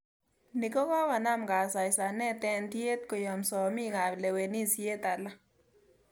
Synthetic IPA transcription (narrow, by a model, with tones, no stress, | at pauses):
ni˨kɔ˦ka˦wa˨na˦mɡa˨sa˨ɪ˨sa˨nɛ˦t̪ɛ˦nt̪je˦t̪ko˨jɔ˨msɔ˨mi˦ɡa˨ble˨we˨ni˦sje˦t̪a˨la˦